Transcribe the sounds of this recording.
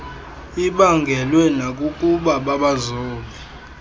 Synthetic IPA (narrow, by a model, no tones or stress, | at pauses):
iɓaŋɡʱɛlwɛnak̬ʼukʼuɓaɓaɓazɔːli